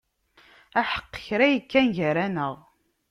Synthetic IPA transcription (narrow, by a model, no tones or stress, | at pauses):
æħə̥qːə̥çɾæjəkːænʝəɾænəʁ